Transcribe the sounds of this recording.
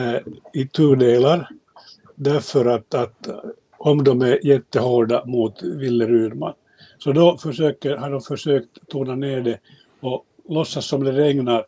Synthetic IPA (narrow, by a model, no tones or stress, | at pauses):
ɪt̪ʰʉːɖeːlaɾ | d̪æɾfœɾat̪at̪ | ɔmd̪ɔmæɾjɛt̪ːəhoːɖamuːt̪vɪlːəɾʉːɾma̰n | sɔd̪ɔfœʂøːkəɾhaɖɔmfœʂøːkt̪t̪ʰːuːnaneːɖɛ | ɔ | lɔsːasːɔmd̪ɛɾɛŋnaɾ